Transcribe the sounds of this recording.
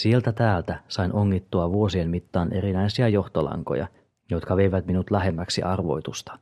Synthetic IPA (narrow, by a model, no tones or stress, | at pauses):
sie̞lt̪æt̪æːlt̪æsɑinoŋːit̪ːuɑʋuo̞sienmit̪ːɑːnʔe̞ɾinæjsiæjo̞ht̪olɑ̰ŋko̞̰jɑ̰ | jo̞t̪kɑʋe̞jʋæt̪minut̪læɦe̞mːæksḭʔɑrʋo̞̰jt̪ust̪ɑ̥